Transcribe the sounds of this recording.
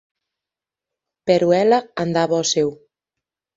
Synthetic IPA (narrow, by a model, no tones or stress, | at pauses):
peɾuɛlaand̪aβɔsew